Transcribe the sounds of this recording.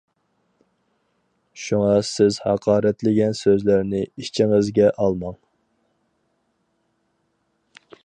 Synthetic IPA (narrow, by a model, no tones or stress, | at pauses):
ʃuŋɑsɪzhɑqʰɑːɾɛt̪lɪɡʲɛnsøzlæɾnɪit͡ʃʰiŋɨzɡʲɛʔɑlˠmɑŋ